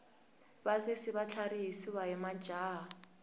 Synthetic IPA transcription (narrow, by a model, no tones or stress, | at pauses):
bazesiβat͡ɬʰaɾiɦisiwaɦɛmḁd͡ʒʱaːa